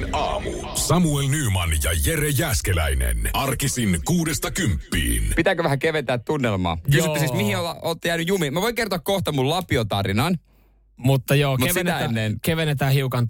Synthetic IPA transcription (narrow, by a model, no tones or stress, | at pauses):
nɑːmṵ | sɑmuelnyːmɑnjɑjerejæːskelæ̰inḛnɑrkisinkuːdest̪ɑkympːḭːnpit̪ækøʋæhækeʋent̪æːt̪t̪unːelmɑ̰ːjkysot̪ːæsismihiolɑoːt̪ːjæːnyjumimæʋoiŋkert̪oɑkkoht̪ɑmullɑpiot̪ɑrinɑn | mut̪ːɑjoːkmeʋenæenːenkeʋenet̪æːhiukɑn